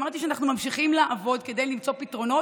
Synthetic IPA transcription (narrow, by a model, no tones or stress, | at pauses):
maʁt̪iʃeanaχnumamʃiχimlaʔavo̞d̪ke̞d̪ejlimt͡sopit̪ʁo̞no̞